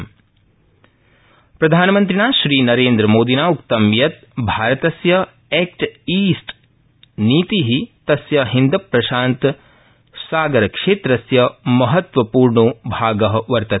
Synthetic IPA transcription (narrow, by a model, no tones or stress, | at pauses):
pɾɐd̪ʱaːnɐmɐnt̪ɾinaːʃɾiːnɐɾeːnd̪ɾɐmoːd̪inaːukt̪ɐmjɐt̪̚ | bʱaːɾɐt̪ɐsjɐ | eːkʈiːsʈ | niːt̪iɦit̪ɐsjɐɦind̪ɐpɾɐʃaːnt̪ | saːɡɐɾɐkʂeːt̪ɾɐsjɐmɐɦɐt̪ʋɐpuːɾɳubʱaːɡɐɦɐʋɐɾt̪ɐ